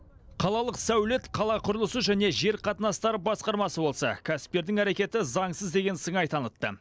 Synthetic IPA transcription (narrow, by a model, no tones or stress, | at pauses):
qʰɑlˠɑlˠəqsæwle̞t̪qʰɑlˠɑqʰʊɾəlˠəsəʒæne̞ʒe̞ɾqʰɑt̪ənɑst̪ɑɾəbɑsqɑɾmɑsəbo̞lˠsɑ̰kʲʰæsɪ̥p̚t̪e̞ɾd̪ɪŋæɾe̞kʲe̞t̪ɪzɑɴsəzd̪e̞ɡʲe̞nsəɴɑjt̪ʰɑnət̪ːə̰